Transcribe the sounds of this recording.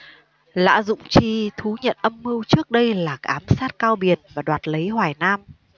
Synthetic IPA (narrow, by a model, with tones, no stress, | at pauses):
la̰ː˧˥zʊ̰˧˨ŋ͡mt͡ɕi˧t̪ʰu˨˦ɲə̰˧˨nʔə˧mːɨ˧wt͡ɕɨ˦˥ək̚ɗə˧jlaː˨˩kaː˨˦msaː˦˥t̚kaː˧wɓi˨˩ənvaː˨˩ɗwaː˨˩t̚lə˨˦jɦwaː˧˩jnaː˧m